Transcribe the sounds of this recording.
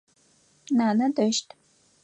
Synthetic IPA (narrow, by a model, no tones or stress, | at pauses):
naːnɐdəʃtʰʼ